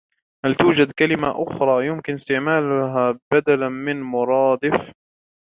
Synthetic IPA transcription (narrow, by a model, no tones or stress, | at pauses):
halt̪uːd͡ʒad̪kalɪma̰ʔʊxɾˤɑːjʊmkɪnɪst̪ɪʕmaːlʊɦaːbad̪alamɪnmʊɾˤɑːd̪ɪf